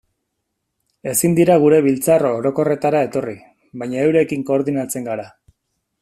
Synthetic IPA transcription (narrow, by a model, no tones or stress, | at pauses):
e̞sind̪iɾaɣ̞uɾe̞β̞ilt͡saroɾo̞ko̞re̞t̪aɾae̞t̪o̞ri | βajɲaewɾe̞kiŋko̞ːɾðinat͡se̞ŋɡaɾa